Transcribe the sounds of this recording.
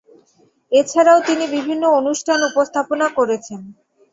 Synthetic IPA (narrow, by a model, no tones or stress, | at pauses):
et͡ɕʰaɾaot̪inibibʱinːoonuʃʈʰanupost̪ʰaponakoɾet͡ɕʰen